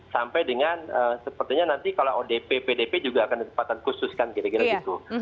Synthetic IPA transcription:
sampajdəŋanəːsəpərt̪iɲanant̪ikaloʔodepepedeped͡ʒuɡaːkandit̪ə̥mpat̪ankusʊskankiɾaɡiɾaɡit̪u

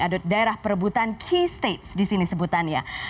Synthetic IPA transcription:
adʊt̪̚daeɾahpəɾbut̪ankʰist̪et̪̚sdisinisəbut̪anja̰

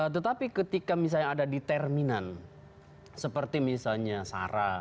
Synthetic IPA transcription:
ət̪̬ət̪apikət̪ikamis̬alɲaːdadit̪ɛrminan | səpərt̪imisalɲasa̰ɾa

